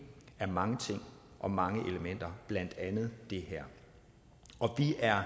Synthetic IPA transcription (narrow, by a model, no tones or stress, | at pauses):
æɐmɑ̈ŋət͡sʰe̝ŋ̰ | ʔɒ̽mɑ̈ŋəʔe̝ləmen̰d̥ɐb̥læn̰d̥ænð̞̩ˠd̥e̝hæɐ̰ | ɒ̽ʋiʔæɐ